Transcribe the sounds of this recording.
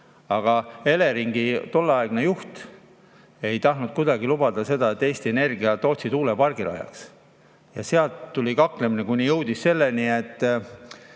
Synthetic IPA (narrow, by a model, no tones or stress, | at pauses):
ɑɡ̥ɑe̞le̞ɾiŋɡit̪o̞lːɑeɡ̥ne̞juht̪ | e̞jt̪ɑhnud̪̥̚kud̪ɑɡilubɑd̪̥ɑse̞d̪ɑe̞t̪ːe̞ːst̪ie̞ne̞rɡiɑt̪o̞ːt̪sid̪uːlepɑrɡ̥ilɑ̰jɑ̰ks | jɑ̰seɑlt̪ːulʲikɑkle̞minekujnijɤwd̪̥isːe̞lːenie̞t̪ː